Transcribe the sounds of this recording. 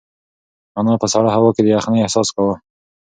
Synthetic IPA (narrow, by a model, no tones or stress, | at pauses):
anɑpəsaɽahawɑked̪əjaxneɪhsɑskawə